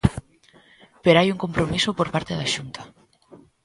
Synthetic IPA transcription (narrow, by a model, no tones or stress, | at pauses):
peɾajuŋkompɾomisʊpoɾpaɾt̪eðaʃunt̪ʰḁ